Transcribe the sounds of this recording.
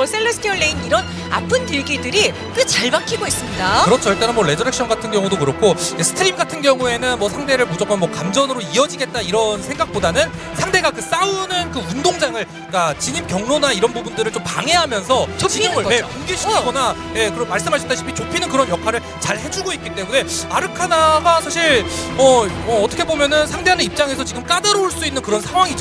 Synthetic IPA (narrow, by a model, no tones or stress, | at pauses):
s͈ʰeɭːʌsʰtʰiʌɭːeiniɾʌn | a̰pʰɯntɯɭɡidɯɾi | kɯt͡ɕaɭbaŋkʰiɡois͈ɯmɲidakɯɾʌt͡ɕʰoiɭt͈anɯnmwʌɾe̞d͡ʑʌɾek̚ɕ͈ʰʌnɡatʰɯnɡjʌŋudokɯɾʌkʰoesʰɯ̥tʰɯɾimɡatʰɯnɡjʌŋue̞nɯnmwʌsʰaŋde̞ɾɯɭmud͡ʑʌk͈onmwʌkamd͡ʑʌnɯɾoiʌd͡ʑiɡe̞t̚t͈aiɾʌnsʰe̞ŋɡak̚p͈odanɯn | sʰaŋde̞ɡakɯs͈aunɯnkɯundoŋd͡ʑaŋɯɭ | k͈at͡ɕiɲimkjʌŋnonaiɾʌnbubundɯɾɯɭt͡ɕompa̰ŋe̞ɦamjʌnsʰʌt͡ɕt͡ɕiiepanɡeɕʰikʰɡona | je̞kɯɾʌmːaɭs͈ɯmɦaɕʰʌt͈aɕʰipʰit͡ɕopʰinɯnkɯɾʌnjʌkʰaɾɯɭ | t͡ɕaɭhe̞d͡ʑuɡoit̚k͈it͈emune̞aɾɯkʰanaɡasʰaɕʰiɭʌʌːtʰʌkʰe̞bomjʌnɯnsʰaŋdeanɯnip̚t͡ɕ͈aŋe̞sʰʌt͡ɕiɡɯmk͈adaɾouɭs͈uinːɯnkɯɾʌnsʰaŋwaŋid͡ʑo